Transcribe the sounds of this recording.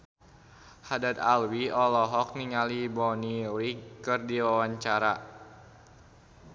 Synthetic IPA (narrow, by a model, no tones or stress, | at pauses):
hadat̪̚alwiɔlɔɦɔk̚niŋalibɔniɾikɨrdiwawaɲt͡ʃaɾa